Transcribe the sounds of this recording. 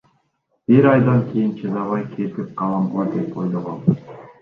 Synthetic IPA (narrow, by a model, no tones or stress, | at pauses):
b̥iɾɑjd̪ɑŋkʰejint͡ʃʰezɑβɑjkʰet̪ip̚qʰɑlˠɑmlɑd̪epʰojlˠoʁon